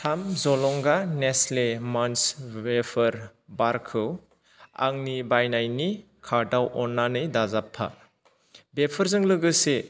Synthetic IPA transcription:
tʰamzɔlɔŋɡaneslemansbepʰɐɾbaɾkʰɯw | a̰ŋnibajnajni | kʰaɾdawʔɔnːanɯjdazapʰːa̰ | bepʰɯɾzɯŋlɯɡɯse

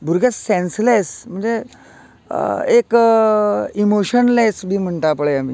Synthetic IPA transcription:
bʱuɾɡesːẽnslesm̤əɳd͡ze | ek | imoɕənlesbʱiːm̤əɳʈapɭeamiː

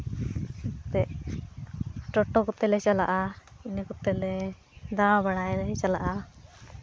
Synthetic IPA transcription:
t̪ɛʔ | ʈɔʈɔkɔt̪ɛlɛsala̰ʔainikut̪ɛlɛ | d̪abaɽajɾɛsalaʔa

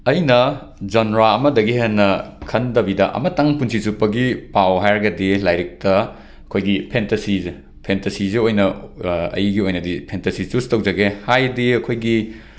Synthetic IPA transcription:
ɐjnɐ | d͡ʒɐnɾaɐmɐdɐɡiɦenːɐkʰɐndɐbidɐʔɐ̰mɐtɐŋpunsisupːɐɡipawɦajɾɐɡɐdilajɾik̚tɐ | ɐkʰojɡipʰentɐsize | pʰentɐsizeojnɐɐ̰jɡiojnɐdipʰentɐsit͡ʃustɐwd͡ʒɐɡehajdiɐkʰojɡi

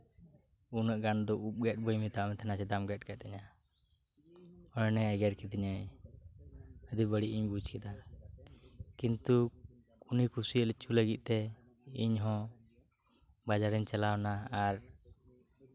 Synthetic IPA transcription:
unəʔɡand̪ɔʔup̚ɡɛʈ̚bəjmit̪aʔmɛt̪ʰɛnat͡ʃɛd̪amɡɛʈ̚kɛt̪ɛɲa | ɔjnɛɛɡɛɾkɛd̪iɲa | əd̪ibəɽiʔiɲbud͡ʒkɛd̪a | kint̪u | unikʰusiəlɛt͡ʃuləɡit̪̚ˀt̪ɛ | iɲɦɔ̃ | bad͡ʒaɾɛɲt͡ʃalawnaːɾ

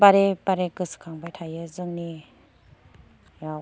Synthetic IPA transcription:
baɾebaɾekɯsɯ̥kʰaŋbajtʰajɯzɯŋni | ja

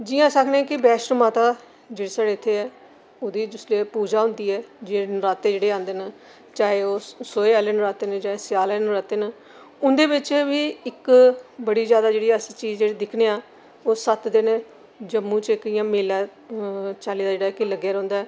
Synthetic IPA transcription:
d͡ʒɪjãːsəkʰneːkɪbɛːʃɾmaːt̪aː | d͡ʒeːɽeːsaɽeːɪt̪ʰːeːɛː | oːd̪iːd͡ʒʊsleːpuːd͡ʒaːɦʊ̃nd̪iːɛːd͡ʒenɾaːt̪eːd͡ʒeːɽeːãːnd̪eːn | t͡ʃaːeːoːsoːeːaːleːnɾaːt̪eːned͡ʒaːeːsɪjaːleːnɾaːt̪eːnaː | ʊnd̪eːbɪt͡ʃʋiːɪkbəɽiːd͡ʒjaːd̪aːd͡ʒeːɽiːst͡ʃiːzd͡ʒeːɽeːd̪ɪkʰneːaː | oːsət̪d̪eneː | d͡ʒəmːũːt͡ʃɪkɪjãːmeːlaː | t͡ʃaːliːd̪aːd͡ʒeːɽaːkɪləɡjaːɾɔ̃ːnd̪aːɛː

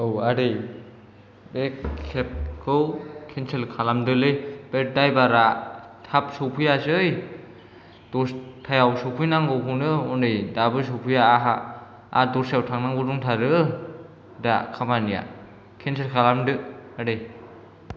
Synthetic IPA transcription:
ɯwaɾej | bekʰːep̚ɡʰɯwkʰenselkʰalamdɯlɯjbet̚dajbaɾatʰap̚sɔwpʰujasɯj | d̥ɔstʰajawsɔwpʰujnaŋɡɯwpʰunɯɔnɯjdabɯs̬ɔwpʰujaːɦa | a̰dɔɾsjawtʰaŋnaŋɡɯduŋtʰaɾɯ | da̰kʰamanija̰ | kʰens̬ʰelkʰalamdɯaɾej

